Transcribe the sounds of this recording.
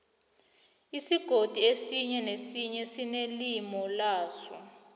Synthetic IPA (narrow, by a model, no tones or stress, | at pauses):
isiɡ̥ʱod̥ʱiesiɲɛnesiɲɛsinelimɔlaːsɔ̰